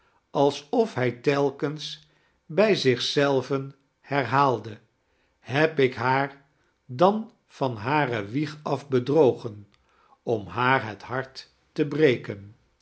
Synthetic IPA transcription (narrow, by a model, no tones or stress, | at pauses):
ɑlˠsɔfɦɛjtɛlˠkəns | bɛjzɪχsɛlˠvən | hɛɹɦaːlˠdə | ɦɛpɪkɦaːɹ | dɑn | fɑnɦaːrəʋiχɑfbədrowχən | ɔmɦaːɹɦətɦɑɹtː | əbrejkən